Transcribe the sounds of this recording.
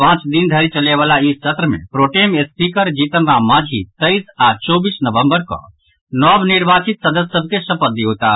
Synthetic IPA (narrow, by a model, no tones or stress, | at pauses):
pãːt͡ʃd̪ind̪ʱəɾit͡ʃəleʋaːlaist͡ʃət̪ɾəmḛ̃pɾoːʈemespikəɾd͡ʒit̪ənɾamãːd͡ʒʱit̪əisat͡ʃɔːbiːsnəʋə̃mbəɾkɔ̰̃ | nɔːbniɾbʱaːt͡ʃit̪səd̪əsːəb̚ʱkesəpət̪ːiɦoːt̪a